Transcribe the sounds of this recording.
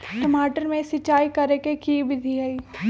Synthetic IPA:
ʈəmaːʈəɾmẽsɪt͡ʃːaːikɐɾekekibɪd̪ʱiɦɐi

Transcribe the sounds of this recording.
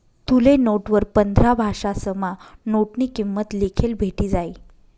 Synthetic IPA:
t̪ulenoʈʋəɾpənd̪ʱɾabʱaʂasəmanoʈniːkimːət̪likʰelbʱeʈiːd͡zai

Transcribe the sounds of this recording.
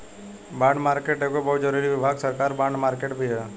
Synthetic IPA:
bãːɳɖmaːɾkeːʈɦɛkobəɦʊt̪̚d͡ʒəɾuːɾiʋɪbʱaːɡsəɾkaːɾbãːɳɖmaːɾkeːʈbʱiɦɛː

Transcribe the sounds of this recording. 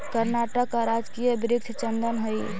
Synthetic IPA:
kəɾnaʈəkːaɾad͡ʒkijəbɾɪk̚t̪ʰt͡ʃənd̪ənɦəi

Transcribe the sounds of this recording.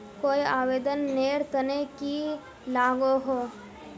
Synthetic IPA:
koːiaːʋeːd̪ənːeːɾt̪əneki | laːɡoɦoː

